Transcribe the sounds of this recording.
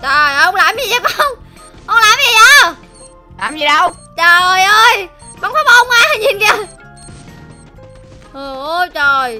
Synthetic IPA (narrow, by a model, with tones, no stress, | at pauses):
t͡ɕəː˨˩jə˧wŋ͡mlaː˨˩mzi˨˩za˨˩ka˧wŋ͡m | ʔə˧wŋ͡mlaː˨˩mzi˨˩jʔaː˧˨˧ | laː˨˩mzi˨˩ɗə˧w | t͡ɕə˨˩jʔəː˧j | ɓaː˨ŋfaː˨˦ma˧˩ʔə˧wŋ͡mʔaː˧ha˨˩jɲi˨˩nkə˧˩ | ʔə˨˩ʔt͡ɕə˨˩j